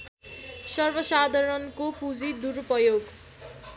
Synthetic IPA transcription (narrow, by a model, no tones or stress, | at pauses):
sʌrbʌsad̪ʱʌɾʌnkopud͡zid̪urpʌjoɡ